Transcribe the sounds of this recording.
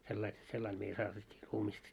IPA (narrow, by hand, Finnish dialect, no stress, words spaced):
selːɑil selːɑil meil sɑːtetʲːiː ruːmist